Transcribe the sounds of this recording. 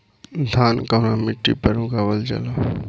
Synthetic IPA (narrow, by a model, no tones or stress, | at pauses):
d̪ʱaːnkanamɪʈːḭpəɾũɡaʋəld͡ʒa̰la